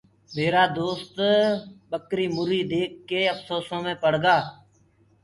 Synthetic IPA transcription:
meːɾaːd̪oːst̪ɓəkɾiːmʊɾiːd̪eːk̚ːeːəfsoːsõːmẽːpəɽ̤ɡaː

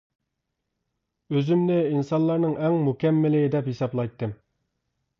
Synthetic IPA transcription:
øzymnɪinsɑnlˠɑɾnɨŋʔɛŋmukʲɛmːɪlɪd̪ɛphisɑblˠɑjt̪ʰːɨm

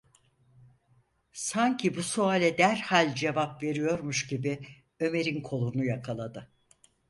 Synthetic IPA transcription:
saɲcʰibusualʲɛd̪æɾhalʲd͡ʒe̞vapve̞ɾijo̞ɾmuʃɟibi | ø̞me̞ɾinkʰo̞lˠunujakʰalˠad̪ɯ

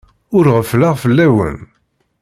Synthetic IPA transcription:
ʊɾʁəflaʁfəlːæwə̰n

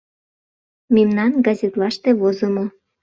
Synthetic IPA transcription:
memnɑnɡɑzʲet̪lɑʃt̪eβozomo

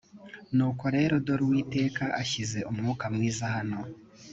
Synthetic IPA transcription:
nuːko̞ɾe̞ːɾo̞do̞ɾwiːte̞ːkaʔaçize̞ʔumŋuːkamŋiːzahano̞

